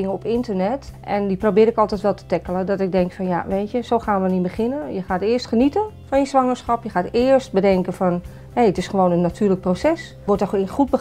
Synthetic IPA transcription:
ɪŋəɔpɪntərnɛtʔɛndiprobɪːɾɪkɔlˠtɛjtʋɛlˠtə̥tɛkələdɔtɪɡ̚dɛŋkfɔnja̰ʋeːtjəsoːxaːnʋənibəχɪnəjəχaːtɪːəstχənitənfɔnjəsʋɑŋəɹsχɑpjəxaːtɪːərst̚bədɛŋkəfɔn | heətɪsχəʋoːnənːatʰyːlək̚prosɛs | ʋɔtəχubə

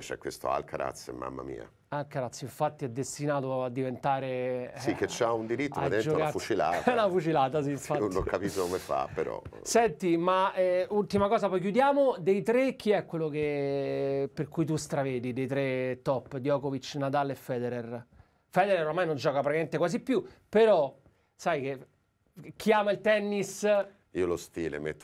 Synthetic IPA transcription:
t͡ʃɛ̰kwest̪o̰a̰lkaɾa̰t̪sːḛmːa̰mːa̰mḭːa̰ | alkaɾat̪sːoiɱfat̪ːiɛd̪ːest̪inaːt̪oad̪ːivent̪aːɾesikːet͡ʃːaund̪iɾit̪ːoaɾt̪imend͡ʒːoɛ̰knafut͡ʃila̰ːt̪ɛunafut͡ʃilaːt̪as̬iiɱfanunnoŋkapisokomefa̰pːeɾɔ̰sɛnt̪imaɛult̪imakɔːzapɔjk̬jud̪jaːmod̪ejt̪ɾek̟iɛkːwelːoke | perkujt̪̬ust̪ɾaveːd̪id̪ejt̪ɾet̪ːɔpːd̪jɔːkovit͡ʃːnat̪aːleefːɛːd̪ɛɾɛr | fɛːd̪eɾɛɾoɾmajnond͡ʒɔːkapɾakiament̪ekwazipːjupeɾɔ | sajk̟e | k̟iaːmailt̪ɛnːis | iːolost̪ḭːlḛmḛt̪ː

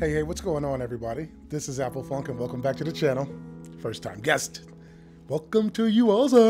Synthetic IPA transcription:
heɪheɪwʌtsɡ̥oʊɪ̃ŋə̃nɛvɹibɑɾi | ðɪsɨzæpl̩ˠfʌ̃ŋkɨ̃nwɛlˠkə̃mbæk̚tʰɨðɨt͡ʃʰænl̩ˠfɜ˞stʰã̰ɪ̃mɡɛst | wɛlˠkə̃mtʰɨjɨʌlˠzə

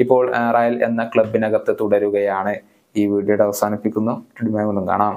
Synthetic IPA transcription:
ipːo̞ːɭraːjɐle̞̰nːɐkɭɐbːinɐɣɐt̪ːɨt̪uɽɐɾuɣɐjaːɳɨ | iːʋiːɽijɐɽɐʋɐsaːnipːikʲːunːuʈeɽimaːjmonːumka̰ːɳaːm

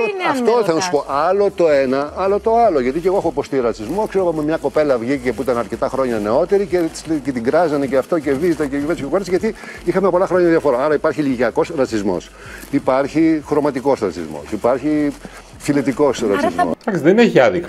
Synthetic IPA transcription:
ɐft̪oθɐnɐsu̥po̞ʔɐlo̞t̪o̞enɐɐlo̞t̪o̞ɐloʝɐt̪iceɣoexopost̪iɾɐt͡sizmokseɾoɣɐmemɲɐko̞pe̞lɐvʝicepuit̪ɐnɐɾce̞t̪ɐxɾo̞ɲɐne̞o̞t̪e̞ɾicet̪cet̪iɡɾɐzɐneceɐft̪o̞ce̞vizit̪ɐcecivescekoɾesʝɐt̪iixɐmepolɐxɾo̞ɲɐðjɐfo̞ɾoɐɾɐipɐɾçiliʝiɐko̞sɾɐt͡sizmo̞̰s | ipɐɾçixɾo̞mɐt̪iko̞sɾɐt͡sḭzmo̰sipɐɾçi | filet̪iko̞sɾɐt͡sizmmo̰t̪ɐksiðenineʝɐðik

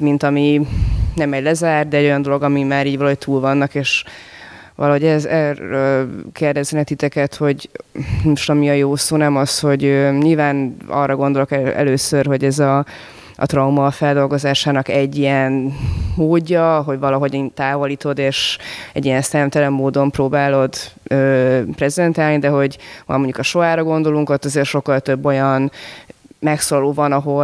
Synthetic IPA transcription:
mint̪ɒminɛmɛɟlɛzaːrd̪ɛɛɟo̞jɒnd̪o̞lo̞ɡɒmimaːɾiːɟvɒlɒɦo̞c̚t̪ʰuːlvɒnːɒkeːʃ | vɒ̰lɒɦo̞ɟɛzɛrøkeːrd̪ɛzɛnɛt̪it̪ɛkɛt̪ho̞ɟmoʃt̪ɒmiɒjoːsoːnɛmɒsho̞ɟøɲilvaːnɒ̰rːɒɡo̞nd̪o̞lo̞kɛɛ̰løːsørɦo̞ɟɛzɒ | ɒ̰t̪rɒumɒːfɛld̪o̞lɡo̞zaːʃaːnɒkɛɟːijɛnmoːɟːɒɦo̞ɟvɒlɒɦo̞ɟiːnt̪aːvoliːt̪o̞d̪eːʃɛ̰ɟːijɛnst̪ɛmt̪ɛlɛmːoːd̪o̞mproːbaːlo̞d̪øːprɛzɛnt̪aːlnid̪ɛɦo̞ɟɒ̰lmo̞ɲɟukɒʃo̞aːɾɒɡo̞nd̪o̞luŋko̞t̪ːɒzeːrʃo̞kːɒlt̪øbːo̞jɒn | mɛksolɒloːvɒnɒɦo̞

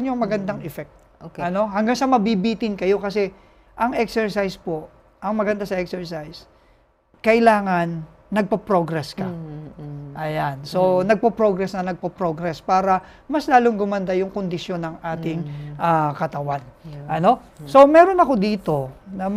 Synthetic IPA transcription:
njoŋmɐɡɐnd̪aŋɛfɛk̚t̪̚ | ɐno̞ɦɐŋɡaŋsɐmɐbibiːt̪ɪnkɐjo̞kɐsɛ | ʔɐŋʔɛksɛɹsajspo̞ʔ | ʔɐŋmɐɡɐnd̪asɐʔɛksɛɹsajs | kɐʔɪlaːŋɐnː | ɐɡ̚pɐpɾoɡɾɛskɐ | ʔɐjanso̞nɐɡ̚pɐpɾo̞ɡɾɛsnɐnɐɡ̚pɐpɾoɡɾɛspaːɾɐ | mɐslaːloŋɡʊmɐnd̪ajʊŋkond̪ɪʃjo̞nɐŋʔaːt̪ɪŋʔakɐt̪ɐwanʔɐno̞ | so̞mɛːɾo̞nɐko̞d̪iːt̪o̞nɐm

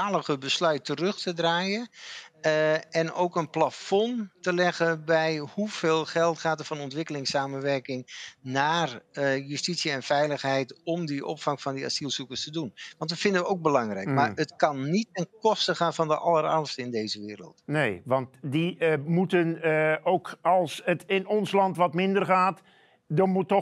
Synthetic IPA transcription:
aːləɣəbəslœɥtərɵxtədraːjən | ɛno̰wkənplafɔntəlɛɣənbɛjhuv̥eːlˠχɛlˠtχaːtətfɑnɔntʋɪkəlɪŋsaːmənʋɛrkɪŋnaːrjystitsjəɛnfɛjləxɦɛjtɔmdiʔɔ̰pfɑŋfɑndia̰silˠsukəstədunʋɑntdəfɪndəʋəowk̚bəlɑŋrɛjkkmaːrətkɑnːitɛnkɔstəχaːnfɑndəʔɑləɾɑrmstəɪndejzəʋɪːɾə̰lˠtnejʋɑntdimutənowkɑlˠsətɪnɔnslɑntʋɑtmɪndərχaːt | dɔmutːɔ

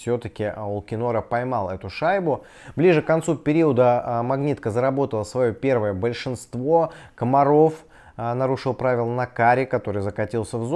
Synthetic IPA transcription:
sʲot̪əkʲɪʔʊlˠkʲɪno̞ɾəpɐjmɑlˠɛt̪ʊʂajbʊ | blʲiʐɨkkːɐnt̪supʲɪɾʲiəd̪əmɐɡnʲit̪̚kəzəɾɐbo̞t̪əlˠəsvɐjo̞pʲe̞rvəjəbəlʲʂɨnst̪vo̞kəmɐɾo̞f | nɐɾuʂɨlˠpɾavʲɪlˠənɐkaɾʲɪkɐt̪o̞ɾɨjzəkɐtʲilˠsʲəvz

